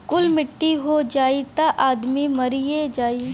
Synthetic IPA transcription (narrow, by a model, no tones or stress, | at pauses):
kʊlmɪʈːiɦod͡ʒaːit̪aʔaːd̪mimɐɾied͡ʒaːi